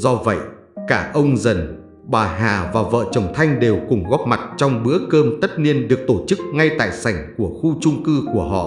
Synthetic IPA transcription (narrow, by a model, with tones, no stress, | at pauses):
zɔ˧və̰˧˨j | kaː˧˩ʔə˧wŋ͡mzə˨˩n | ɓaː˨˩ɦaː˨˩vaː˨˩və̰ː˧˨t͡ɕə˨˩wŋ͡mt̪ʰa˧jŋ̟ɗe˨˩wkʊ˨˩ŋ͡mɣɔ˦˥p̚ma˨˩t̚t͡ɕɔ˧wŋ͡mɓɨ˨˦əkəː˧mt̪ə˦˥t̚ni˧ənɗɨ˨˩ək̚t̪o˧˩t͡ɕɨ˦˥k̚ŋa˧jt̪a̰ː˧˨jsa˧˩jŋ̟ku˧˩əxu˧t͡ɕʊ˧ŋ͡mkɨ˧ku˧˩əɦɔ̰˧˨